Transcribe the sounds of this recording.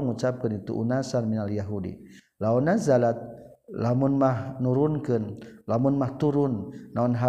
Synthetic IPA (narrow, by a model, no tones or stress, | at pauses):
ŋut͡ʃap̚kanit̪ṵʔunasanminaljaɦudḭ | launazalat̪̚ | lamʊnmahnuɾʊnkənlamʊnmaht̪uɾʊnnaunɦa